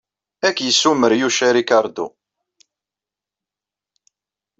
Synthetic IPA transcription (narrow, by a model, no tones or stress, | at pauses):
ækːjəsːuməɾjuʃæɾikɑɾˤd̪ṵ